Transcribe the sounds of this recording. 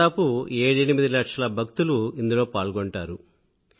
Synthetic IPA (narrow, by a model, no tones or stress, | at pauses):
aːpueːɽɐnimid̪ilɐkʂɐlɐbʱɐk̚t̪uluind̪ulo̞ːpaːɭɡoɳʈaːɾu